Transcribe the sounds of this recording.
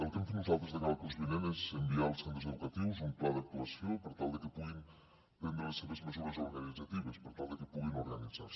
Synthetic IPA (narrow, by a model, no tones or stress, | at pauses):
əlˠt̪emfenuzalˠt̪ɾezðəkaβak̪unzβilɛmezembialˠsend̪əɾzeðukat̪iwzumplaðɐk̚t̪uɐsjopəɾt̪alˠd̪əkəpuɣim | b̪end̪ɾəleseβezməzuɾezoɾɣanidd͡zat̪iβəspəɾt̪alˠd̪əkəpuɣinuɾɣanidd͡zas